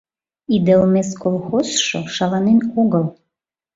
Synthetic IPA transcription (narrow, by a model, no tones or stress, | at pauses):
id̪elˠmeskolˠxozʃoʃɑlɑnenoɣəlˠ